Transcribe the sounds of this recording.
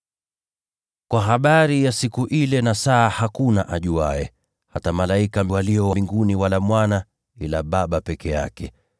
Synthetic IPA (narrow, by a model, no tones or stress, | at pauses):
kwaɦaɓaɾijasikuʔilɛnasaːhakunaʔaʄuaɛ | hatamalaikawaliɔwiŋɡuniwalamwana | ilaɓaɓapɛkɛja̰kɛ